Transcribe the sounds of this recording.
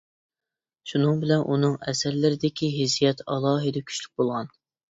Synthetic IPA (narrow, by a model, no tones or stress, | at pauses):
ʃunɨŋbɪlɛnʔunɨŋɛsɛɾlɪɾɪd̪ɪkʲʰiɦɪzijɛt̪ʰɑlˠɑːɦɨd̪ɛkʲʰy̥ʃlyk̚ʲbolˠʁɑn